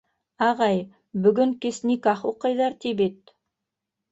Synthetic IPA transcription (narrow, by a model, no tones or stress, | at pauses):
ɑʁɑj | bɵ̆ɡɵŋkesnikɑχuqɤ̆jðɑɾt̪ibet̪̚